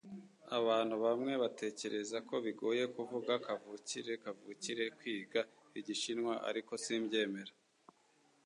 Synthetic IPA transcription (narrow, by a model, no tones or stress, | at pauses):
aβaːn̥huβamŋe̞βatʰe̞ːce̞ɾe̞zako̞βiɡo̞ːje̞kuvuɡakavuciɾe̞kavuciɾe̞kwiːɡa | iɟiʃinŋwaʔa̰ɾiko̞simɟe̞ːme̞ɾa